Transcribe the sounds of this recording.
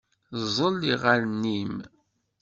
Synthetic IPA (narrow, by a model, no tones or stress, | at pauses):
zˤəlːiʁaɾnːim